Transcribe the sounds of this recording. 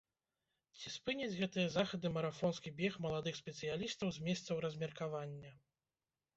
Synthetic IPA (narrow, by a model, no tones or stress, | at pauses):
t͡sʲispɨnʲɐd͡zʲɣɛt̪ɨjɐzaxɐd̪ɨmɐɾafɔnskʲibʲɛxmɐlˠad̪ɨxsʲpʲɛt̪sɨjalʲist̪ɐwzʲmʲɛst̪sɐwɾɐzʲmʲɛrkavanʲːɐ